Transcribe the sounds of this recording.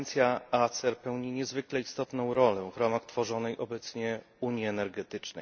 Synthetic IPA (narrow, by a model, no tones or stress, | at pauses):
nt̪sʲjaat̪sɛɾpɛwɲiɲɛzvɘklɛist̪ɔt̪nɔ̃w̃ɾɔlɛvɾamaxt̪fɔʐɔnɛjʔɔbɛt̪sɲɛ | uɲiɛnɛɾɡɛt̪ɘt͡ʂnɛ̰j